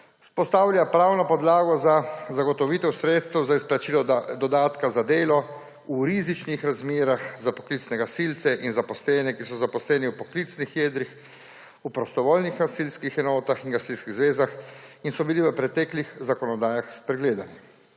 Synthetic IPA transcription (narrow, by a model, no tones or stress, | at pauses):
spɔst̪aːwlʲjapɾaːwnɔpɔd̪laːɡɔzazaɡɔt̪ɔʋiːt̪ɛwsɾeːt̪st̪ɛwzaisplat͡ʃilɔd̪ɔd̪aːt̪kazad̪eːlɔ | uɾizit͡ʃnixɾazmeːɾaxzapɔ̥klit̪snɛɡasilt̪sɛʔinzapɔslɛːnɛkisɔzapɔslɛːniupɔklit̪snixjeːd̪ɾix | upɾɔst̪ɔʋoːlnixɡasilskixɛnɔːt̪axiŋɡasilskiɣzʋeːzaxinsɔbiliʋəpɾɛt̪ɛːklixzakɔnɔd̪aːjaxspɾɛɡleːd̪ani